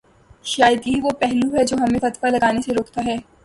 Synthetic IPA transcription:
ʃaːjəd̪iɦiʋopɛɦluɦɛd͡ʒoːɦɐmẽfɐt̪falɐɡaːneseɾoːkt̪aɦɛː

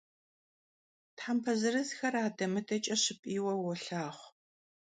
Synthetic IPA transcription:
tħampʰɐzɨrɨzxɐɾaːdɐmɨdʰɐt͡ʃʼɐɕɪpʼiːwɐwɔɬaːχʷ

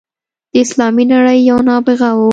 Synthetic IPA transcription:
d̪̥əɪslɑminaɽəjːawnɑbɪɣawu

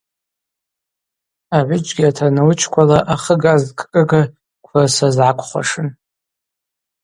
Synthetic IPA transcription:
aʕʷʊd͡ʒʼɡʲiatʰanɨwt͡ʃʰkʷʰalaʔaχəɡazkʼkʼɨɡa | kʷʰasazʕakʷʰʼχʷa̰ʂɨn

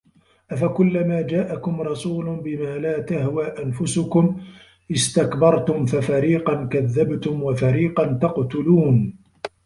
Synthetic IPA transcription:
ʔafakʊlːamaːd͡ʒaːʔakʊmɾˤɑsuːlʊnbɪmaːlaːt̪ahwaːʔanfʊsʊkʊm | ʔɪst̪akbɑɾˤt̪ʊmfafaɾiːqɑnkaðːabt̪ʊmwafaɾiːqɑnt̪ɑqt̪ʊluːn

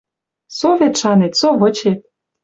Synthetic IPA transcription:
soβet̪ʃɑnet̪soβɤ̆t͡ɕet̪̚

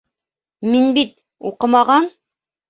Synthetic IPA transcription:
minbit̪̚ | ṵqɤmɑʁɑn

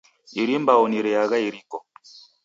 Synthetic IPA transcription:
iɾimbauniɾɛaɣaiɾikɔ

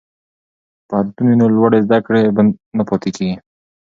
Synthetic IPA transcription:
pahad̪t̪uninolwaɽezd̪akɽebanapɑt̪ekeɡi

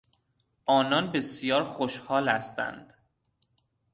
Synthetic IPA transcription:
ʔɒːnɒnbe̞sijɒːɾxoʃhɒːlæst̪æ̰nd̪̥

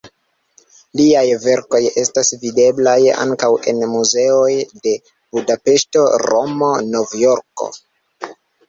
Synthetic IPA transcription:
liajve̞ɾko̞je̞stasvide̞blaja̰ŋkawe̞̰nmuze̞o̞jde̞ | budape̞sto̞ɾo̞mo̞no̞vjo̞ɾko̞̰

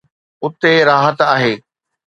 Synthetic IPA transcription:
ʊt̪eɾaːɦət̪aːɦeː

